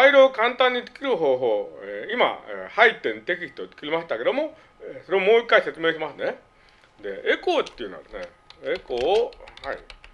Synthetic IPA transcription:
aiɾoːkãnt̪ãɲ̟ːit̪ɨ̥kʲiɾɯ̟ɦo̞ːɦo̞ːeima̰ḛhait̪ːẽ̞nt̪e̞kʲiç̥t̪ot͡sɨ̥kʲiɾʲimaɕi̥t̪ake̞d̪o̞mo̞ | esoɾe̞omo̞ːikːaise̞t͡sɨme̞ːɕimasɨne̞ | d̪e̞eko̞ːt̪ːeiɯ̟noa̰d̪esne | ekoːhaḭ

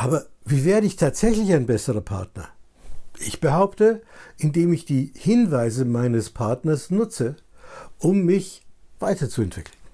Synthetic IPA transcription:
ʔaːbɐviːveːɐʁəɪçtʰaːtz̥ɛçlɪçaɪnbɛsəʁɐpʰa̰ɐtnɐ̰ | ʔɪçb̥əhaʊptəʔɪndeːmɪçd̥iːhɪnvaɪzəmaɪnəspʰaɐtnɐsnʊt͡səʔʊmːɪçv̥aɪtɐt͡suɛntv̥ɪ̰kl̩n

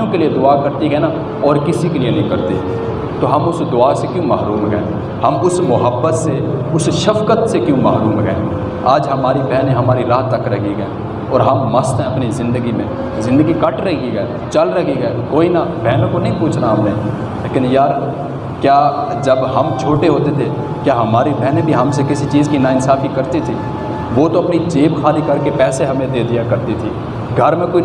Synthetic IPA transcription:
õkelied̪ʊakɐɾt̪iɡɛna | ɔːɾkɪsikelienɐ̃ɦĩkɐɾt̪eɛ̃ | t̪oɦɐmʊsd̪ʊasekjõːmaːɾuːmɡə̰ḛ̃ː | hɐmʊsmʊɦəbːət̪seʊsʃɐfkət̪sekjõmaːɾuːmɡɛ̰ḛ̃ | aːd͡ʒɦɐmaːɾibɛɦnẽɦɐmaːɾiɾaːɦt̪ɐkɾɐɦiɡɐe | ɔːɾɦɐmːɐst̪ɦɛ̃ɐpnizɪ̃nd̪əɡimẽ | zɪ̃nd̪əɡikɐʈɾɐɦikiɡəj | t͡ʃɐlɾɐɦiɡɐjkoːinabɛːnõkonɐĩpuːt͡ʃʰnaɦɐmnẽː | leːkɪnjaːɾ | kjaː | d͡ʒɐbɦɐmt͡ʃʰoːʈeɦoːt̪et̪ʰe | kjaːɦɐmaːɾibɛɦnẽbʱiɦɐmsekɪsit͡ʃiːzkinaːɪnsaːfikɐɾt̪it̪ʰiː | ʋot̪oɐpnid͡ʒeːbkʰaːlikɐɾkepɛːseɦɐmẽd̪eːd̪ijakɐɾt̪it̪ʰiː | ɡʱɐɾmẽkoːi

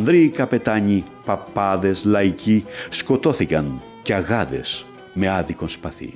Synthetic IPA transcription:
nðɾiːkɐpe̞t̪ɐɲi | pɐpɐðe̞slɐicisko̞t̪o̞θikɐn | ceɐɣɐðe̞̰s | me̞ɐðiko̞nspɐθḭ

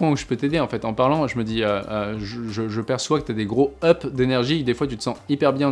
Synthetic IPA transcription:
ɑ̃uʒə̥pøt̪ed̪eɑ̃fɛt̪ɑ̃paʁlɑ̃ʒəməd̪iøøʒəʒəʒəpɛʁswakət̪yad̪eɡʁoɔpd̪enɛʁʒid̪efwat̪yt̪ə̥sɑ̃ipɛʁbjɛ̃

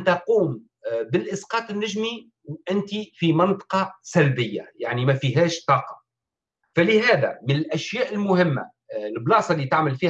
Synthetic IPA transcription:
nt̪ɑquːm | bɪlʔɪsqɑːt̪ˤɪnːɪʒmi | wʔɪnt̪ifimɑnt̪ˤɑ̥qɑsælbɪjːa̰jaʕnimæfiɦæːʃt̪ˤːɑːqɑ̥ | fælɪɦæːd̪æ̰mɪnɪlʔæʃjæːʔɪlmʊhɪmːa̰ | lblɑːsˤɑlːiːt̪aʕmɪlfiː

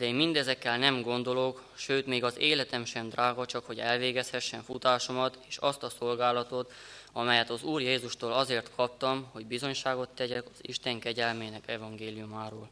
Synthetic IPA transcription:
d̪ɛeːmmind̪ɛzɛkːɛlnɛmɡo̞nd̪o̞lokʃøːt̪meːɡɒzeːlɛt̪ɛmʃɛmd̪rʔaːɡɒt͡ʃɒkho̞ɟɛlveːɡɛshɛʃːɛɱfut̪aːʃomɒt̪eːʃɒst̪ɒsolɡaːlɒt̪o̞t̪ɒmɛjɛt̪ɒzuːrjeːzuʃt̪oːlɒzeːrt̪kʰɒp̚t̪ɒmho̞ɟbizo̞ɲʃaːɡo̞t̪ːɛɟɛkɒ̥zḭʃt̪ɛŋkɛɟɛlmeːnɛkɛvɒŋɡeːlijumaːɾoːl

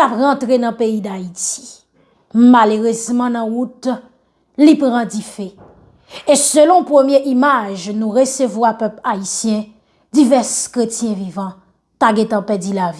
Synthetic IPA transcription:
apʁɑ̃t̪ʁenɐ̃peid̪aiti̥ | maløʁøzmɑ̃nãut̪ | lipʁãd͡zifɛ | esølɔ̃pʁəmjeʔimaʒnũʁesøvwapœplaisjɛ̃ | d͡zivɛskʁetjɛ̃vivɑ̃ | t̪aɡɛ̃t̪ɑ̃pɛd͡zilavi

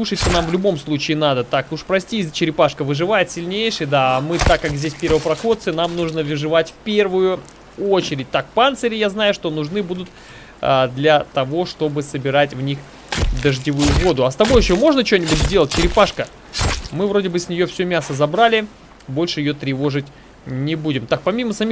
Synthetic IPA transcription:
lˠuʂɨt̪ʲsʲənamvlʲʊbo̞mslˠut͡ɕɪːnad̪ət̪akʊʂpɾɐsʲtʲizt͡ɕɪɾʲɪpaʂkəvɨʐɨvajɪt̪sʲɪlʲnʲejʂɨjd̪aːmɨt̪akːakzʲdʲesʲpʲe̞ɾvəpɾɐxot̪sɨnamnuʐnəvʲɨʐɨvatʲfpʲe̞rvʊjʊ | o̞t͡ɕɪɾʲɪt̚ʲt̪akpant̪səɾʲɪjaznajʊʂt̪o̞nʊʐnɨbud̪ʊt̪̚ | əd̪lʲɐt̪ɐvo̞ʂt̪o̞bɨsəbʲɪɾatʲvnʲix | d̪əʐdʲɪvujʊvo̞d̪ʊɐst̪ɐbo̞jɪɕomo̞ʐnət͡ɕonʲɪbʊtʲzʲdʲelˠət̚ʲt͡ɕɪɾʲɪpaʂkə | mɨvɾo̞dʲɪbɨsʲnʲɪjofsʲɵmʲasəzɐbɾalʲɪ | bo̞lʲʂɨjɪjot̪ɾʲɪvo̞ʐɨtʲ | nʲɪbudʲɪmt̪ak̚pɐmʲiməsɐmʲix

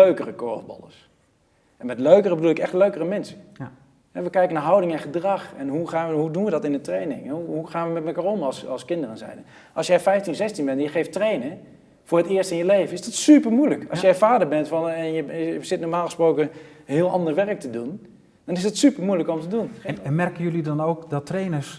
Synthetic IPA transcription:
øɥkərəkɔːbɔ̰lˠə̰s | ʔɛnmɛtløɥkərəbədulˠɪkɛχtløɥkərəmɛnsə | ɦɛʋəkɛjkənaːɹɦɑwdɪŋɛ̃nχədrɑχɛnɦuχaːnʋəɦudunʋədɑtɪnətrejnɪ̰ŋɛɦuɦuχaːnʋəmɛtməkaːɹɔmɑlˠsɑlˠskɪndərənzɛ̰jdə | ʔɑ̰lˠsjɛjfɛjftinzɛstinbɛntɛnjəχejftrejnə | v̥ʊːɹɦətɪːɹstɪnjəlejvənɪzdɑtsypəɹmujləkɑ̰lˠsjɛfaːdəɹbɛntfɑnɛjəəəz̥ɪtnoːɹmaːlˠχəsprowkəɦɪːlˠʔɑ̰ndəɹʋɛrək̚tədun | d̥ɑnɪs̬dətsypəɹmujləkɔmtədunnmɛrkənjɵlidɑnowkdɑtrejnəɹs

